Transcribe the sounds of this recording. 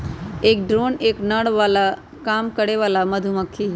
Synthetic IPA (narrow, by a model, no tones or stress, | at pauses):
eːk̚ɖɾoːneːknəɽʋaːla | kaːmkəɽeʋaːlamɐd̪ʱumɐkʰːi